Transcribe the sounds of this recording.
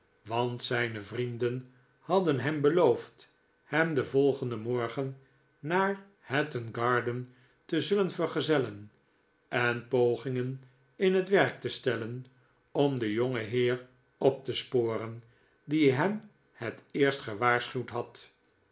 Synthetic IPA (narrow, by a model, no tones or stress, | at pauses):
ʋɑntsɛjnəvrindən | hɑdənɦɛmbəlowft | hɛmdəvɔlˠχəndəmɔɹχənː | aːɹ | hɛtənɡɑɹdən | təzɵlənvəɹχəzɛlən | ɛnpowχɪŋən | ɪnɦətʋɛɹk̚təstɛlən | ɔmdəjoŋəɦɪːr | ɔp̚t̪əspoːrən | diɦɛm | hətɪːɹstχəʋaːɹsχywtɦɑt